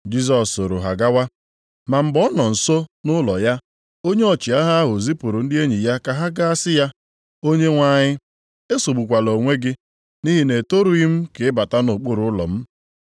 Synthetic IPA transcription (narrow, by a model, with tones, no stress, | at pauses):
d͡ʒi˦s̬ɔ˨so˨ɾo˨ɦa˨ɡa˦wa˦ | ma˨m̩˦˨bɔ˦nɔ˨n̩˨so˦nʊ˦lɔ˨ja˦ | o˦ɲe˦ɔ˨t͡ʃɪ˨a˦ɦa˦a˦ɦʊ˨zi˦pʊ˨ɾʊ˨n̩˦dɪ˦e˦ɲi˨ja˦ka˨ɦa˦ɡa˦a˦sɪ˦ja˦ | o˦ɲe˦ŋʷa˦˨ɲɪ˦ | e˦so˨ɡ͡bu˨kʷa˨lo˨ŋʷe˦ɡɪ˦ | ni˦ɦi˦ne˨to˦ɾu˨i˦m̩˦ke˨ɪ˦ba˨ta˦nʊ˨k͡pʊ˦ɾʊ˨ʊ˦lɔ̰˨m̩˦